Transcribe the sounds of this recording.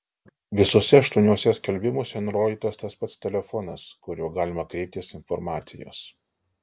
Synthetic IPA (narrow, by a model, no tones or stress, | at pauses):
ʋʲɪsuɔsʲɛɐʃt̪uɔnʲuɔsʲɛsʲkʲɛlʲbʲɪmʊsʲɛnʊɾoːd̪ʲiːt̪ɐst̪ɐspɐt̪st̪ʲɛlʲɛfɔnɐskʊɾʲuːɡɑːlʲɪmɐkɾʲɛɪp̚t̪ʲɪsɪnfɔɾmɑːt̪sʲɪjo̰ːs